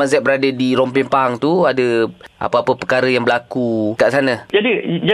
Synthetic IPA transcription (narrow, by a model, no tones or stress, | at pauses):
azɛt̪̚bəɾadədiɾɔmpiŋpaŋt̪uadəa̰pəapəpəkaɾəjaŋbəlakuk̪aʔsanə̃d͡ʒadid͡ʒa